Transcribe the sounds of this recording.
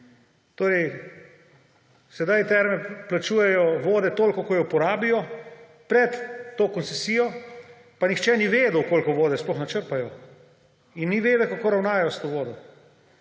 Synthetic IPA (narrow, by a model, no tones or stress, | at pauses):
t̪oːɾɛj | sɛd̪ajt̪ɛɾmɛplat͡ʃuːjɛjɔʋoːd̪ɛt̪oːlkɔkɔjɔpɔɾaːbijɔ | pɾɛt̪ːoːkɔnsɛsiːjɔ | panixt͡ʃɛniʋeːd̪əwkoːlkɔʋoːd̪ɛsplɔxnat͡ʃəɾpajɔ | inːiʋeːd̪ɛkakoɾawnaːajɔst̪oːʋoːd̪ɔ